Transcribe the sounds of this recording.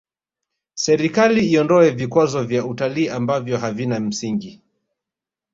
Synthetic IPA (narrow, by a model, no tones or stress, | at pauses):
sɛɾikaliːɔndɔɛvikwazɔvjautaliːambavjɔɦavinam̩siŋɡi